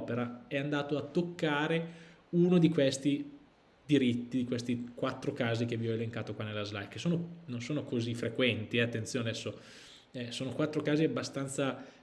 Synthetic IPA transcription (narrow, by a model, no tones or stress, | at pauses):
peɾaɛand̪aːt̪oat̪ːokːaːɾe | unod̪ikwest̪i | d̪iɾit̪ːid̪ikwest̪ikwat̪ːɾokaːzik̟evːiɔeleŋkaːt̪okwanelːazlajksoːnononsoːnokozifːɾekwɛnt̪iɛat̪ːent̪sjoːneɛsːo | ɛsoːnokwat̪ːɾokaːziabːast̪ant̪sa